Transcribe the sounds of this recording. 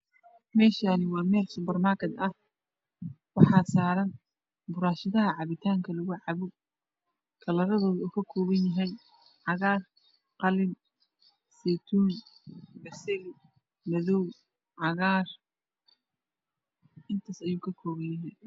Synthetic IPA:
mɛːʃaːnɪwɑːmɛːlsʊbɐrmaːrkʰɛd̪ɐh | wɑħɑːsaːɾɐn | bʊɾaːʃɪðɐɦɐʕɑβɪt̪ʰaːŋkʰɐlʊɣʊʕɑβʊ | kʰɐlɐɾɐðɔːðuːkʰɐkʰɔːβɐnjɐɦɛj | ʕɑɣaːr | qɑlɪm | sɛt̪ʰuːnbɐsɛl | mɐðɔw | ʕɑɣaːr | ʔɪnt̪ʰaːsɐjuːkʰɐkʰɔːβɐnjɐɦɛ

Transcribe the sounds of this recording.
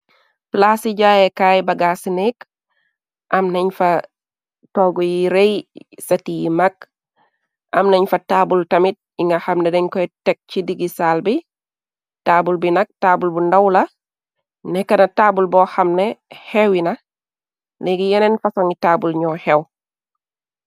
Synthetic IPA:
plaːsiɟaːjekaːjbɐɡasinɛk | ʔɐmnɛɲfɐ | toɡujiɾejsɐtijimak̚ | ʔɐ̰mneɲfɐtaːbultɐmit̚iŋɡɐhɐmnedɛɲkɔjtek̚t͡ʃidiɡisaːlbi | taːbulbinɐk̚tabulbundawlɐ | nɛkːɐnɐtaːbulbɔhamnehewinɐ | liɡijɛnenfɐsɔŋitaːbulɲɔhɛw

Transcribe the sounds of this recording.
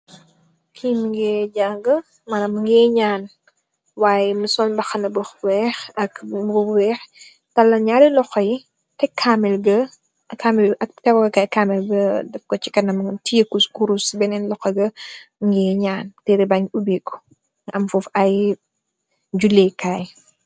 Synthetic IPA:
kʰimiŋɡɛːɟaːŋɡɐ | mɐnɐmŋɡɛːɲaːn | waːjɛmusɔnbɐxɐnɐbɔxwɛːxɐkuwɛx | tɐlɐɲaɾilɔxɐj | tɛkʰamɛlɡɐ | kamɛlɐtɛwɔɡɐkaːjkamɛlbɐdɛfkɔt͡ʃi̥kɐnɐmtijekuskuɾusbɛnɛnlɔxɐɡɐŋɡɛːɲaːntɛɾibaɲubikːu̥ | ɐmfufɐj | d͡ʒulɛkaːj

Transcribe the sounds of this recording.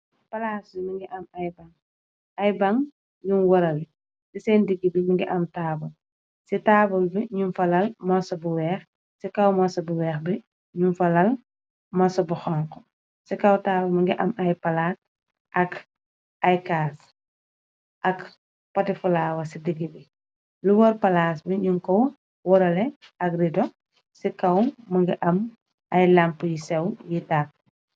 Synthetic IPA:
pɐlaːsimiŋɡiʔɐmɐjbaŋ | ɐjbaŋ | junwɔɾɐli | sisɛndiɡːibimiŋɡiʔɐmtaːbul | sitaːbulbiɲunfɐlɐlmɔsɐbuwɛːx | sikɐwmɔsɐbuwɛːxbi | ɲunfɐlɐl | mɔsɐbuxɔŋkɔ | sikɐwtaːwɐmɐŋɡiʔɐmɐjpɐlaːs | ʔɐk | ɐjkaːs | ʔɐk | pɐtifulaːwɐsidiɡːibi | luwɔɾpɐlaːs̬biɲuŋkɔw | wɔɾɐlɛɐkridɔ | sikɐwmɐŋɡiʔɐm | ʔɐjlampːujisɛwjitaː

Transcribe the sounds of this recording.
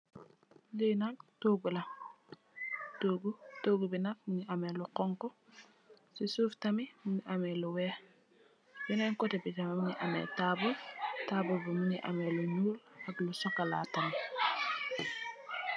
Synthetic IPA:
linak̚toːɡulɐ | toːɡutoːɡubinak̚muɲiʔamɛluqɔŋkɔ | sisuːftamimuniʔamɛluwɛ | binɛŋkɔtɛbitamimuɲiʔamɛ̰taːbutaːbubimuɲiʔa̰mɛluɲuːlɐklusɔkala̰ːtami

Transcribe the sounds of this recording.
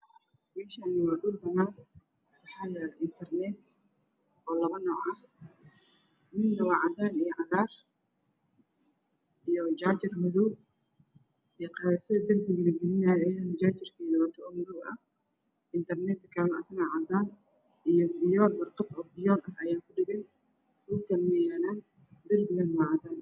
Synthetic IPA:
mɛːʃaːnɪwɑːduːlbɐnaːn | wɑħɑðɛʔɪnt̪ʰɛrnɛt̪ | ʔɔːlɐβɐnɔːʕɐh | mɪnnɐwɑʕɑd̪aːnijɔʕɑðaːr | ʔijɔd͡ʒaːt͡ʃɪrmʊðuw | ɛqɑɾɛsɐðɐd̪ɐlbɪɣɐlɐɡɛnɪnaːjːjɐðɐmʊt͡ʃaːt͡ʃɪrkʰɛːðɐwɐt̪ʰɐɔːmʊðɔwɐ̰h | ʔɪnt̪ʰɐrnɛt̪kʰɐɾɐnɐ̰sɪnaʕɑd̪aːn | ʔijɔbɪjɔːlwɐrqɑd̪ɔːbɪjɔːlɐɦɐjaːŋkʰʊɖɪɣɛn | kukɐmɛjaːlaːn | d̪ɐlbɪɣɐnmaʕɑd̪aːn

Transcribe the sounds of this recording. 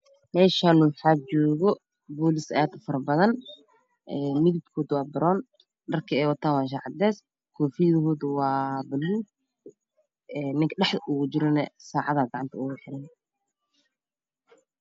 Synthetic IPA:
mɛːʃaːnʊwħaːb̚t͡ʃɔːɣɔ | bɔːlɪsɐaːd̪fɐɾɐbɐðɐn | ʔɛːmɪðibkʰɔːðwɑːbɐɾɔːn | ɖɐrkʰɐɛːjwɑt̪ʰaːnwɑːʃ̬aːʕɑd̪ːɛːs | kʰɔːfijðhɔːðʊwɑːbɐluː | ɛːnːɪŋkʰɗɛħd̪ɐʔʊʊd͡ʒɪɾɔnɐsaːʕɑðaːɡɑʕɑnt̪ʰɐʊwħɪɾɐj

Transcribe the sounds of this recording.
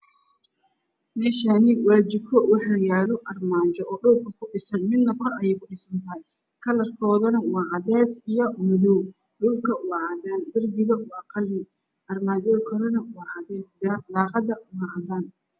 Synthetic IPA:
mɛːʃanɪwaːd͡ʒɪkʰɔwɑħaːjaːlɔʔɐrmaːt͡ʃɔʔɔːɖʊlkʰɐkʰʊɖɪsɐnmɪd̪nɐfɐrɐjɛkʰʊɖɪsɐnt̪ʰɐj | kʰɐlɐrkʰɔːðɐnɐwɑːʕɑd̪ɛːsijɔmɐðɔw | ɖʊlkʰɐwɑːʕɑd̪aːnd̪ɐrbɪɣɐwɑːqɑlːɪ | ʔɐrmaːd͡ʒɔðkʰɐɾɐnɐwɑːʕɑdɛsd̪ɐlɑːqɑdɐwɑʕɑdaːn

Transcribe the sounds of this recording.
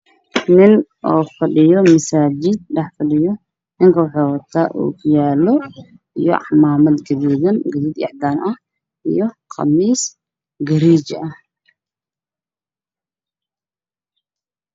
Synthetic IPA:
nɪnʔofɐɗɪjɔmɐsaːd͡ʒɪd̪̚ɗɐħfɐɗɪjɔ | nɪŋkɐwʊħowɔt̪ʰːaʔṵkʰjalːɔ | ʔɪjɔ̰ʕamaːmɐd̪ɡɐd̪iɡɐnɡɐd̪id̪ɪ̰ʕd̪anɐ | ʔḭjɔqʰɐ̰mːiːs | ɡɐɾid͡ʒʔɐ

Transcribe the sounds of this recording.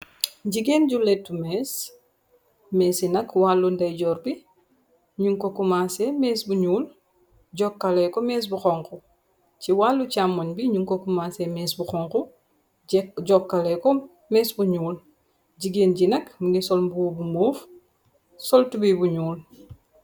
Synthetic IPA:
ɟiɡeːnɟulɛtːumɛːs | mɛːsinɐkwalːundɐjɟɔːɾbi | ɲuŋkɔkumasɛmɛːsbuɲuːl | ɟɔkːɐlɛkɔmɛːs̬buxɔŋku | ciwalːucamːonbiɲuŋkokumasɛmɛːsbuxɔŋku | ɟɔkːɐlɛkɔ | mɛːsbuɲuːl | ɟiɡeːnɟinɐkmuŋisɔlmbuːbumoːf | sɔltubibuɲuːl

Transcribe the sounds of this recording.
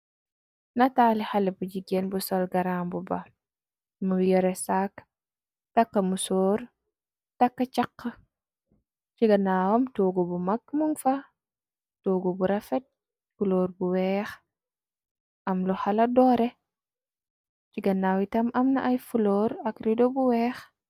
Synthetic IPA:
nɐtaːlixalibud͡ʒiɡenbusɔlɡɐɾambuba | mujɔɾɛsak | tɐkːɐmusoːɾ | tɐkːɐt͡ʃɐqːə | ciɡɐnaːwɐmtoːɡubumɐkmuŋfɐ | toːɡubuɾɐfɛt̚ | fuloːɾbuwɛːx | tɐmluhalɐdɔːɾɛ | t͡ʃiɡɐnaːwitɐmɐmnɐʔɐjfuloːɾɐkɾidobuwɛːx

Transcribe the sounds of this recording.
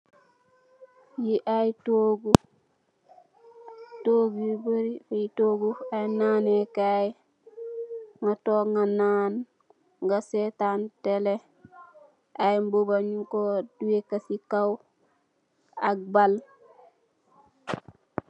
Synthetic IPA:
jiʔajtoɡu | toɡjibəɾifejitoɡuajnanekaj | ŋatoŋanaːn | ŋɡasetantele | ʔajmbobaɲukoduwekasikaw | ak̚bal

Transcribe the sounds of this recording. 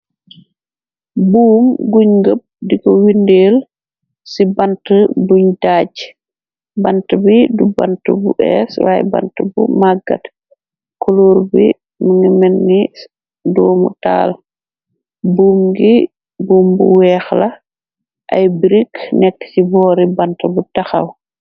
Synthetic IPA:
buːmɡuɲɡəp̚dikɔwindeːl | sibantəbuɲdaɟ | bantəbiduba̰ntəbṵʔɛ̰swa̰jba̰ntəbṵmaɡɐ̰t | kɔloːɾbi | muŋimɛnːi | dɔːmṵta̰ːl | buːmɡi | buːmbuwɛːxlɐ | ʔa̰jbiɾiknɛkːə̥sibɔːɾibɐntəbutɐxɐ̰w

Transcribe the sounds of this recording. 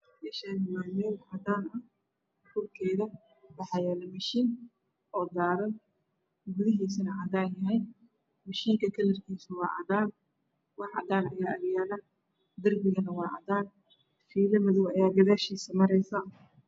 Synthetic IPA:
dɪʃaːnɪmaːmɛːʕɐd̪aːnɐ | ħuːrkʰɛːjðɐ | wɑħɑjɛːlɐmɐʃiːn | ʔɔːd̪aːðɐ | ɡʊðɪɦiːsɐnɐʔɐðaːnjɐɦɛj | mɐʃiːŋkʰɐkʰɐlɐrkʰiːsʊwɑ̰ːʕɐ̰ðaːn | wɑħɑ̰d̪aːnɐjaːʔɐljaːlɐ | d̪ɐrbɪɣɐnɐwɑːʔɑ̰d̪aːn | fiːlɐmɐðʊwɐjaːɡɐðaːʃiːsɐmɐɾɛjsa

